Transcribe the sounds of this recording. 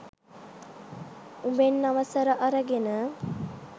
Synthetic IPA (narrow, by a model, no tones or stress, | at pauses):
ubenːaʋəsəɾəʔaɾəɡenə